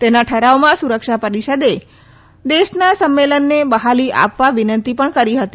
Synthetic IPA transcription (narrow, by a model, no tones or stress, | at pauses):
t̪enaʈʰəɾaomãsuɾəkʃapəɾiʃəd̪e | d̪eʃnasəmːelənːebəɦaliʔa̰pʋaʋinənt̪ipəɳkəɾiɦət̪i